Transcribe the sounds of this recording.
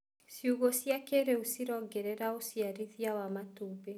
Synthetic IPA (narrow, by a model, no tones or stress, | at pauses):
siuɣosiakeɾeusiɾɔɡɛɾɛɾausiaɾiðiawamatube